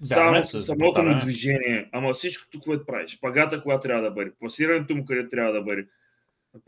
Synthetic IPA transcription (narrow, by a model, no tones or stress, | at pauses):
zasɐsɐmɔt̪ɐmud̪viʒɛniɐɐmɐsĩʃku̥t̪ukvɔjd̪̚pɾa̰iʃpɐɡat̪ɐkuɡat̪t̪ːɾjavd̪ɐbɐɾipɐsiɾɐnt̪umukɐɾɛt̪̚ːɾʲjavɐd̪ɐbɐɾi